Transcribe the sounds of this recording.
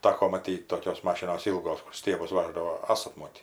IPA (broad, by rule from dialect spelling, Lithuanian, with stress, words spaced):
ˈtɑːkoː mɐˈtʲiːtʲ ˈtoːkʲoːs ˈmɑːʃʲɪnoːs ˈiːlˠɡoːs kʊr ˈsʲtʲiɛbʊs ˈʋɑːʒdɐʋoː ˈɑːsɐt ˈmoːtʲiː